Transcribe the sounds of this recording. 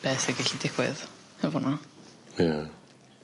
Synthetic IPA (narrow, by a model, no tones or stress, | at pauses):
b̥ɛːθɛɡɪɬidɪxwɪ̰ð | hɛvɔna | ja